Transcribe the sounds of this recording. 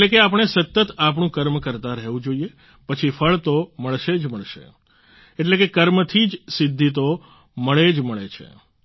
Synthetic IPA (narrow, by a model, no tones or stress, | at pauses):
elekeap̬əɳ̃esət̪ːət̪ap̬ɳũkəɾmkəɾt̪ãɾəɦʋũd͡ʒoie | pət͡ʃʰifʰəɭt̪oməɭʃed͡ʒməɭʃḛ | eʈlekekəɾmt̪ʰid͡ʒsɪd̪ʱːit̪̬o | məɭed͡ʒməɭet͡ʃʰḛ